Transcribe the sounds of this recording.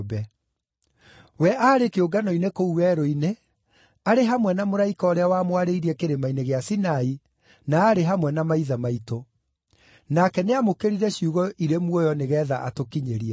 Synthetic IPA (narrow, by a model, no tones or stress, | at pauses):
bɛ | wɛʔaːɾekeoɡanɔinekouwɛɾoine | aɾeɦamwɛnamoɾaikaɔɾeawamwaɾeiɾiɛkeɾemaineɣeasinai | naːɾeɦamwɛnamaiðamaito | nakɛneamokeɾiɾɛɕiuɣɔʔiɾemwɔjɔneɣɛːðaʔa̰tokiɲeɾiɛ